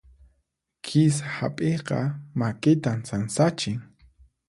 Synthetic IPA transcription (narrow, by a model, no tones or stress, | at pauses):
kʰɪs̬ahapʼeqɑ̰makɪt̪ansansat͡ʃɪŋ